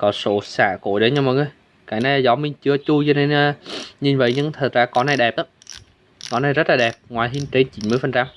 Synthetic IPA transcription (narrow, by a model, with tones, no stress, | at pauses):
kɔ˨˦so̰˧˩saː˧˩ko̰˧˩˨jɗə˨˦ɲɨ˧ŋmɔ˨˩ŋə˧˦j | kaː˧˩naː˧jzɔ˨˦mi˧ŋt͡ɕɨ˧ət͡ɕu˧t͡ɕɔ˧ne˧nː˧ɲi˨˩nvə̰˧˨jɲɨ˧ŋt̪ʰə˨˩t̚zaː˧kɔ˨˦na˧jɗɛ˨˩p̚ʔə˨˦ | kɔ˨˦na˧jzə˦˥laː˨˩ɗɛ˨˩p̚ŋwaː˨˩jɦi˧nt͡ɕe˧˦nt͡ɕi˨˦nmɨ˧əjfə˨˩nt͡ɕa˧m